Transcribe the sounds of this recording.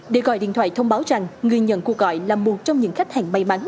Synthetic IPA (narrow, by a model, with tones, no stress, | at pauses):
ɗe˨˧˩ɣɔ̰˧˨jɗḭ˧˨nt̪waː˧˨jt̪ʰə˧wŋ͡mɓaː˨˦wza˨˩ŋŋɨ˨˩əjɲə̰˧˥nku˨˩ək̚ɣɔ̰˧˨jlaː˨˩mːu˨˩ət̚t͡ɕɔ˧wŋ͡mɲɨ̰˧˥ŋxa˦˥k̟̚ha̰˨˩ŋma˨˩jma˨˦n